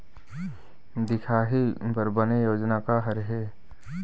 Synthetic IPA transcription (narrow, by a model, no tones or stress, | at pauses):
d̪ɪkʰaːɦibəɾbənejoːd͡ʒnakaɦɐɾɦeː